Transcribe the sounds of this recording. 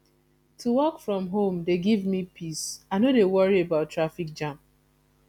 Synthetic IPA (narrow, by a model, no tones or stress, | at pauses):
tʰuwɔkfɹɔ̃mɦõmdeɡivmipʰisaɪnodewɔɹiebaʊtːɹafik̚d͡ʒãmp